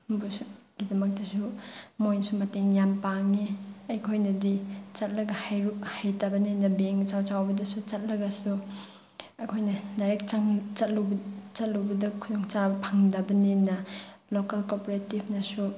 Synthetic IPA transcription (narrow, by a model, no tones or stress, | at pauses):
busɡ̥idɐmɐk̚dɐsumojnsumɐteŋjampaŋiɐjkʰojnɐdit͡ʃɐt̚lɐɡɐhauhajtɐbɐninɐbeŋt͡ʃawt͡ʃawbɐdɐsut͡ʃɐt̚lɐɡɐsu | ɐjkʰojnɐnɐɾek̚t͡ʃɐŋt͡ʃɐt̚lubt͡ʃɐt̚luwbɐdɐkʰudoŋt͡ʃabɐpʰɐŋdɐbɐninɐlokalkopoɾetibʰnɐsu